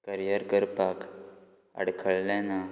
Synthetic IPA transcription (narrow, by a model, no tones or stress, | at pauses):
kəɾijəɾkəɾpak | ə̰ɽkʰəɭlɛ̃na